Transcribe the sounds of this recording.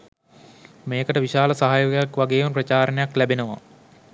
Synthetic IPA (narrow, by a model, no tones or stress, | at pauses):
meːkəʈəʋiʃaːləsaɦaːjoɡejakʋaɡeːʋumprət͡ɕaːɾənejaklæbenəʋa̰